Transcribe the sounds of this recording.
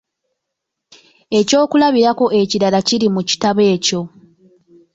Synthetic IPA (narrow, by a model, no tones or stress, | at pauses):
e̞co̞ːkulaβiɾako̞ʔe̞ciɾalaciɾimuci̥taβe̞ːco̞